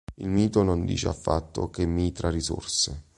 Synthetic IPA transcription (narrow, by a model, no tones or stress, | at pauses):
ilmiːt̪onond̪ḭːt͡ʃea̰fːa̰t̪ːo̰kemːiːt̪ɾariso̰rsɪ